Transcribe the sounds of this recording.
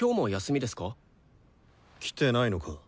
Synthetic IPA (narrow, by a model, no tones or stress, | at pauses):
kʲo̞ːmo̞jasɨmʲid̪e̞sɨ̥ka | kʲʰi̥t̪e̞naino̞kʰa